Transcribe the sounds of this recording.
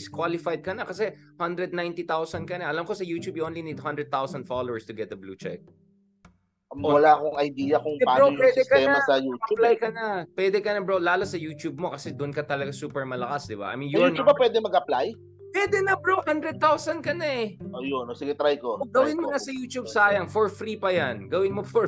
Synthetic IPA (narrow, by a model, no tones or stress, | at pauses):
skwalɪfajd̪̚kɐnɐkɐsɛhɐnd̪ɾɛd̪̚najnt̪it̪awsɐnkɐnɐʔɐlɐmkosɐjuːt̪jubʔoːnlinid̪̚hɐ̃nd̪ɾɛd̪̚t̪awsɐnd̪falowɛɹst̪ʊɡɛt̪̚d̪ɐblṵːt͡ʃɛ̰k̚ | owɐlakoŋɐjd̪iːjɐkʊŋpɛpaːowɛd̪ɛkɐɛmɐsɐjuːt͡ʃɐuplajkɐnɐpwɛd̪ɛkɐnɐbɾolaːlosɐjuːt͡ʃ̪jub̚mo̞kɐsɛd̪ʊʔnkɐt̪ɐlɐɡasuːpɛɹmɐlɐkasd̪ɪba̰ʔɐ̰jminjjuːubɐpwɛd̪ɛmɐɡʔɐplaj | pwɛːd̪ɛnɐpɹohɐnd̪ɾɛd̪̚t̪awsɐnkɐnaɛʔojonosɪɡɛt̪ɾajkoɡɐwɪnmonɐsɐjuːt͡ʃ̪ub̚saːjɐŋfɔɹfɾiːpɐjɐnɡɐwɪnmofɔ